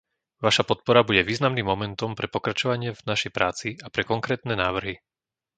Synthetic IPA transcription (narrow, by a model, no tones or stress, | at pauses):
ʋaʃapɔt̪̚pɔɾabuɟɛʋiːznamniːmːɔmɛnt̪ɔmpɾɛpɔkɾat͡ʃɔʋaɲɪɛvnaʃɛjpɾaːt͡siapɾɛkɔŋkɾɛːt̪nɛːnaːʋr̩ɦi